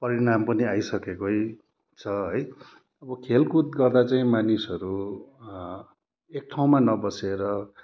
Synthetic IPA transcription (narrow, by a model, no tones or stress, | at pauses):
pʌɾinampʌniajsʌkekoj | t͡sʰʌɦʌj | ʌbʌkʰelkut̪̚ɡʌrd̪at͡saĩmanisʌɾu | ek̚ʈʰaw̃manʌbʌseɾʌ